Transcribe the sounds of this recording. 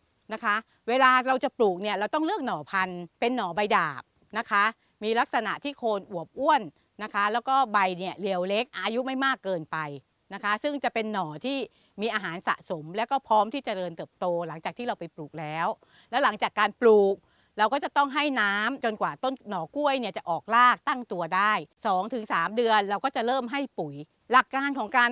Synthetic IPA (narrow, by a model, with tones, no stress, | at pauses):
na˦˥kʰa˦˥ʔ | weː˧laː˧ɾa˧wt͡ɕa˨˩pluː˨˩k̚ni˥˩ɐɾa˧wt̪ɔ˥˩ŋlɯ˥˩ək̚nɔː˩˦pʰa˧npe˧nːɔː˩˦ba˧jdaː˨˩p̚ | na˦˥kʰa˦˥ | miː˧la˦˥k̚sa˧na̰˨˩ʔt̪ʰiː˥˩kʰoː˧nʔu˨˩əp̚ʔu˥˩ən | na˦˥kʰa˦˥lɛː˦˥wkɔː˥˩ba˧jni˥˩ɐli˧əwle˦˥k̚ʔaː˧ju˦˥ma˥˩jmaː˥˩kːɤː˧npa˧j | na˦˥kʰa˦˥sɯ˥˩ŋt͡ɕa˨˩pe˧nːɔː˩˦t̪ʰiː˥˩ | miː˧ʔaː˧ɦaː˩˦nsa̰˨˩ʔso˩˦mlɛː˦˥wkɔː˥˩pʰɾɔː˦˥mt̪ʰiː˥˩t͡ɕa˨˩dɤː˧nt̪ɤː˨˩p̚t̪oː˧la˩˦ŋt͡ɕaː˨˩t̪ʰiː˥˩ɾa˧wpa˧jpluː˨˩k̚lɛː˦˥w | lɛː˦˥wla˨˩˦ŋt͡ɕaː˨˩kːaː˧npluː˨˩k̚ | ɾa˧wkɔː˥˩t͡ɕa˨˩t̪ɔ˥˩ŋɦa˥˩jnaː˦˥mt͡ɕo˧nkwaː˨˩t̪o˥˩nnɔː˨˩˦ku˥˩əjni˥˩ət͡ɕa˨˩ʔɔː˨˩k̚laː˥˩k̚t̪a˥˩ŋt̪u˧ɐdaː˥˩jsɔː˩˦ŋt̪ʰɯ˩˦ŋsaː˩˦mdɯ˧ənɾa˧wkɔː˥˩t͡ɕa˨˩ɾɤː˥˩mɦa˥˩jpu˩˦j | la˨˩kːaː˧nkʰɔː˩˦ŋkaː˧